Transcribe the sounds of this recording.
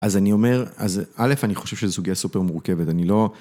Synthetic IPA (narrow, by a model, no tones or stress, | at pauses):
ʔazanio̞me̞ʁa̰zale̞faniχo̞ʃevʃezesuɡijasupeʁmuʁke̞vetanilo̞